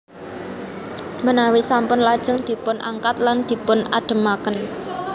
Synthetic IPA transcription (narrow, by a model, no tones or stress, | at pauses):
mənawisampʊnlad̥ʒ̥ə̤ŋd̪̥i̤pʊnʔa̰ŋkat̪land̪̥i̤pʊnaɖ̥ə̤makən